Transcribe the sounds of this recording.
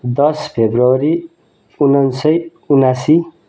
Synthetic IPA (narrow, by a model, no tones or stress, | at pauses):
d̪ʌspʰebɾəwɾi | unənsəj | unasi